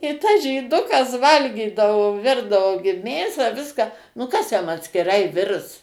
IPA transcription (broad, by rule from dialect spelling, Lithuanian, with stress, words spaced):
ɪ tɐs ʒʲiːˈdʊkɐs ˈʋɐlʲɡʲiːdɐʋoː ˈʋʲɪrdɐʋoː ɡʲɪ ˈmʲeːsɑː ˈʋʲɪskɑː nʊ ˈkɐs jɛm ɐtʲsʲkʲɪˈrɐɪ ˈʋʲɪrs